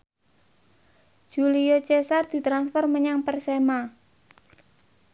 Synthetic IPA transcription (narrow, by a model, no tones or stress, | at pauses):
ʒ̥uliot͡ʃesard̪̥i̤t̪ɾansfɔrməɲaŋpərsema